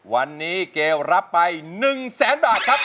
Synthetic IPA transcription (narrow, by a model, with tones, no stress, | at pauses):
wa˧nːiː˦˥keː˧wɾa˦˥pːa˧jnɯ˨˩ŋsɛː˩˦nbaː˨˩t̪̚kʰa˦˥p̚